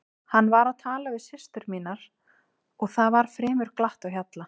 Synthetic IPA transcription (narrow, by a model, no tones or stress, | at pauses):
hanːvaɾaðt̪ʰaːlavɪðsɪst̪ʏɾmiːnaɾ̥ | ɔɣθavaɾ̥fɾɛːmʏɾ̥klaht̪awçjat̪la